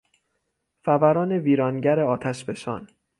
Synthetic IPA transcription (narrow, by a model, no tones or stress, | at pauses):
fævæɾɒːne̞viːɾɒːnɟæɾe̞ɒːt̪ʰæʃbe̞ʃɒ̰ːn